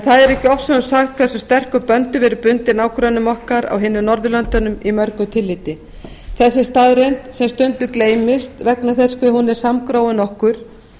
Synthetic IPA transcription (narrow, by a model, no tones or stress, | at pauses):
ɛnθaðɛɾɛhcɪɔfsɔnsaxt̪̚kʰvɛsʏst̪ɛr̥kʏpœnt̪ʏvɛːɾʏpʏnt̪ɪnaːwkɾœnʏmɔhkaɾa̰wɦɪːnːʏnɔɾðʏlœnt̪anʏmimœɾkʏt̪ʰɪlːɪːt̪ɪ | θɛsːɪst̪aːðɾejnt̪sɛmst̪ʏnt̪ʏkleːjmɪst̪vɛknaθɛskvɪhunːɪɾ̥samkɾoːwʏnɔhkʏɾ̥